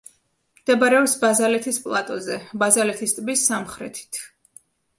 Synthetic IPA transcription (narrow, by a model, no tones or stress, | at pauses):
md̪̥ɛbaɾɛɔpsbazalɛt̪ʰispʼlˠat̪ʼɔzɛbazalɛt̪ʰist̪ʼbisamχɾɛ̰t̪ʰi̥t̪ʰ